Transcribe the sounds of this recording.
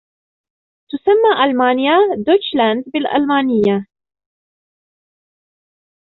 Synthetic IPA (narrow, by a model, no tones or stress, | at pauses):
t̪ʊsamːaːʔalmaːnɪjad̪ot͡ʃland̪bɪlʔa̰lmaːnɪjːa